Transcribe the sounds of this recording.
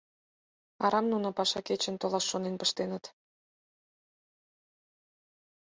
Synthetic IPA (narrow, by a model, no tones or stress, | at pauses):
ɑ̰ɾɑmnunopɑʃɑket͡ɕə̆nt̪olɑʃːonenpəʃt̪enət̪